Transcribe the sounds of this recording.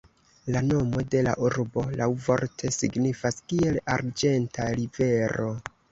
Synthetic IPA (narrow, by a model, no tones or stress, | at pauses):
lano̞mo̞de̞la̰ʔuɾbo̞lawvo̞ɾtʰe̞sḭɡnifaskie̞laɾd͡ʒe̞ntʰaɾive̞ɾo̞